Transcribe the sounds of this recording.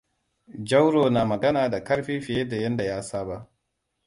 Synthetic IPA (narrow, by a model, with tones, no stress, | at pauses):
d͡ʒɐ˦wɽoː˨naː˨mɐ˨ɡɐ˦naː˨da˨kɐ˦ɽɸi˦ɸɪ˨jeː˦da˨jɐ˦nda˨jaː˦saː˦ba˦ʔ